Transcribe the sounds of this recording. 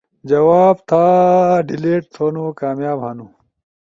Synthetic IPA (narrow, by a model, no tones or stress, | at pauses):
d͡ʑɐwaːbt̪ʰaːɖileːʈ̚t̪ʰoːnukaːmjaːbhɐnu